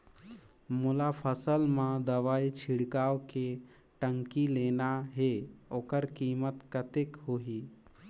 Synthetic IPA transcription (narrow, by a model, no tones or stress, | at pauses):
mʊlapʰəsəlmãd̪əʋaːit͡ʃʰɪɽkaːwke | ʈə̃ŋkileːnaɦeoːkəɾkiːmət̪kət̪ɪkɦoɦiː